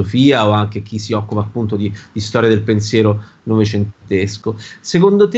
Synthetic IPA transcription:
ofiːaoaŋk̟ek̟isiɔkːupaːpːunt̪od̪id̪̥ist̪ɔːɾjad̪elpensjɛːɾo | novet͡ʃent̪eskosekond̪ot̪e

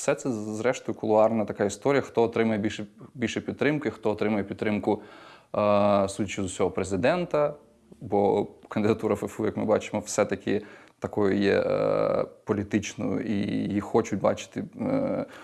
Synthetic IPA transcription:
sɛt̪sɛzɾɛʃt̪ɔjʊkʊlˠʊɑrnɐt̪ɐkɑist̪ɔɾʲijɐxt̪ɔːt̪ɾɪmɐjɛbʲiʃɛbʲilʲʃɛpʲid̪t̪ːɾɪmkʊixt̪ɔɔt̪ɾɪmɐjɛpʲit̪t̪ːɾɪmkʊ | sudʲɐt͡ʃʲʊzʊsʲɔɦɔpɾezɪd̪ɛnt̪ɐ | bɔkɐnd̪ɪd̪ɐt̪uɾɐfɛfujɐkmɪbɑt͡ʃɪ̥mɔwsɛt̪ɐkʲɪt̪ɐkɔjʊjɛ̰ | pɔlʲit̪ɪt͡ʃnɔjʊ̰ḭjixɔt͡ʃʊt̚ʲbɑ̰t͡ʃɪ̥t̪ɪ

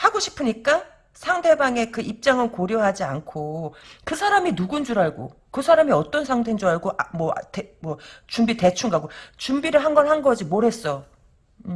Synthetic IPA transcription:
haɡoɕʰi̥pʰɯɲik͈a | sʰaŋtʰe̞baŋe̞kɯʔip̚t͡ɕ͈aŋɯnkoɾjʌɦad͡ʑiankʰokɯsʰaɾaminuɡund͡ʑuɾaɭɡo̰ | kɯsʰaɾamiʌt͈ʌnsʰaŋtʰend͡ʑuaɭɡoʔamwʌtemwʌt͡ɕumbite̞t͡ɕʰuŋɡaɡot͡ɕumbiɾɯɭɦanɡʌnɦanɡʌd͡ʑimoɾɦe̞s͈ʌ

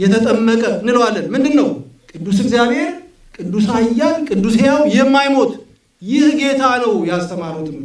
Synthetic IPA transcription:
jɛt̪ʰət̪ʼəmːəkʼənɨlwalːənmɨnd̪ɨnːəwkʼɨd̪ːusɨɡzjaβhe̞ɾ | kʼɨd̪ːusajːankʼɨd̪ːusejawjɛmːajmo̞t̪ | jɪhɡe̞t̪ʰanəwjast̪ʰəmaɾut̪ʰɨm

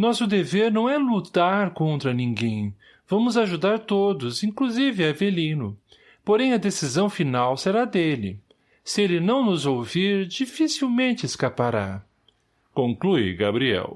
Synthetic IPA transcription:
nɔsʊd̪eveɾnɐ̃w̃ɛlut̪aɾkõnt̪ɾɐnĩɡẽj̃ | vɐ̃mʊzaʒud̪aɾt̪od̪ʊzĩkluzivɪavelĩnʊ | poɾẽj̃ɐd̪esizɐ̃w̃finawseɾad̪elɪ̰ | sɪelɪnɐ̃w̃nʊzowviɾd͡ʒifisiwmẽnt͡ʃɪeskapaɾa | kõŋkluɪ̰ɡa̰bɾiɛ̰w

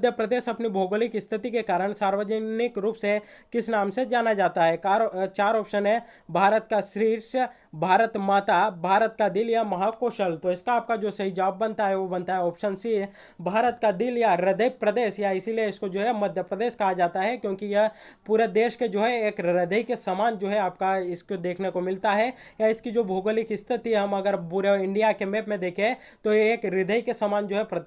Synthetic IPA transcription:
d̪ʱjəpɾəd̪eːʃɐpnibʱoːɡolɪkɪst̪ʰɪt̪ikekaːɾəɽ̃saːɾʋəd͡ʒənɪkɾuːpse | kɪsnaːmsed͡ʒaːnad͡ʒaːt̪aɦɛkaːɾt͡ʃaːɾɔːpʃənɦɛ | bʱaːɾət̪̚kaʃɾiːɾʃ | bʱaːɾət̪maːt̪abʱaːɾət̪̚kad̪ɪljamɐɦakoʃɐlt̪oɪskaaːp̚kad͡ʒoːsɐɦid͡ʒɐaːbːɐnt̪aɦɛʋobɐ̃nt̪aɦɛɔːpʃənsi | bʱaːɾət̪kad̪ɪljaɾɪd̪əjpɾɐd̪eːʃjaɪsilieɪskod͡ʒoːɦɛmɐd̪ʱjəpɾɐd̪eːʃkɐɦad͡ʒaːt̪aɦɛkjõːkijɐpuːɾed̪eːʃked͡ʒoːɦɛeːkɾɪd̪əikesɐmaːnd͡ʒoːɦɛaːp̚kaɪskod̪eːkʰnekomɪlt̪aɦɛjaɪskid͡ʒoːbʱoːɡəlɪkɪst̪ʰɪt̪iɦɐmɐɡəɾpuɾeɪ̃ɳɖijakemeːpmẽd̪eːkʰẽ | t̪ojeeːkɾɪd̪ʱəjkesamaːnd͡ʒoːɦɛpɾɐ

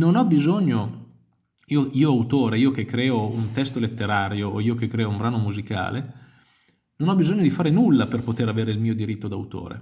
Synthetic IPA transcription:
nonɔbizoɲːo | iːoʔiːoawt̪oːɾeiːok̟ekːɾɛːount̪ɛst̪olet̪ːeɾaːɾjooiːok̟ekːɾɛːoumbɾaːnomuzika̰ːle | nonɔbizoɲːod̪ifaːɾenulːaperpot̪eɾaveːɾeilmiːod̪iɾit̪ːod̪awt̪o̰ːɾḛ

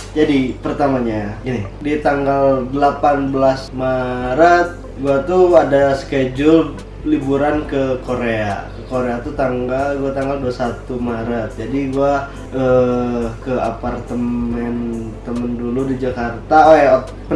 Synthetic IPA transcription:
d͡ʒadipərt̪amaɲaɡinɪdiat̪aŋɡaldəlapanbəlasmaɾat̪̚ | ɡuat̪uadasə̥ked͡ʒʊl | libuɾankəkoɾea̰kəkoɾeat̪ut̪aŋɡalɡuat̪aŋɡalduasat̪umaɾat̪̚d͡ʒadiɡua | ə | kəapart̪əmmɛnt̪əmənduludid͡ʒakart̪aoj | pə

